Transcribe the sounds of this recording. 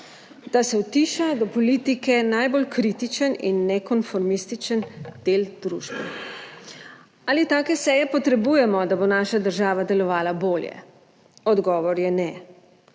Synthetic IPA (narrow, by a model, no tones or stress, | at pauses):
d̪̥asɛwt̪iːʃad̪ɔpɔlit̪ikɛnajbolkɾit̪it͡ʃənḭnːɛkɔnfɔɾmist̪it͡ʃənd̪̥eld̪ɾuʒbɛ̰ | aːlit̪aːkɛsɛjɛpɔt̪ɾɛbuːjɛmɔd̪abonaːʃad̪əɾʒaːʋad̪ɛlɔʋaːlaboːljɛ̰ | ɔd̪ɡɔːʋɔɾjɛnɛ